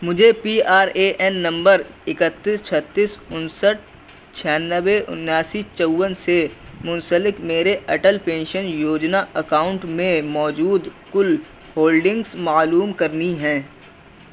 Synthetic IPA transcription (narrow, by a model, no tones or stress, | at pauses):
mʊd͡ʒʱepiːaːɾeːʔɛnːɐ̃mbəɾɪkət̪ːist͡ʃʰət̪ːiːsʊnsəʈ̚ | t͡ʃʰijaːnːəweʔʊ̰njaːsit͡ʃəwːənsemʊ̃nsəlɪkmeːɾeʔɐʈəlpẽːnʃənjoːd͡ʒnaɐkaːʊ̃ɳʈmẽmɔːd͡ʒuːd̪kʊl | hoːlɖɪ̃ŋɡsmaːluːmkɐɾniɦɛ̃ː